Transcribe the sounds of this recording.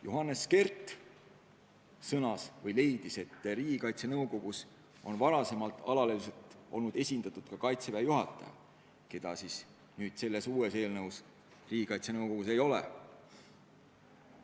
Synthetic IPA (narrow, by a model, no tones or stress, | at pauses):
juɦɑnːeske̞rt̪ːˑ | sɤnɑsvɤjle̞jd̪̥ise̞t̪ˑːriːɡ̥ikɑjt̪senɤwko̞ɡ̥us | o̞̰nvɑɾɑse̞mɑlt̪ːˑɑlɑleliset̪ˑʔo̞̰lnud̪̥e̞sʲind̪̥ɑt̪ːˑud̪̥kɑkɑjt̪se̞peɑjuɦɑ̰t̪ːˑɑ̰jɑ̰ | ke̞d̪̥ɑsiːs | nyːd̪̥se̞lːe̞suːese̞ːlnɤuws | riːɡ̥ikɑjt̪senɤwko̞ɡ̥use̞jo̞lḛ